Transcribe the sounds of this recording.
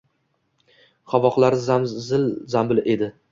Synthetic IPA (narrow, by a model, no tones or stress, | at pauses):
χavɒqlˠaɾzazɪlzambɪlʔe̞d̪ɪ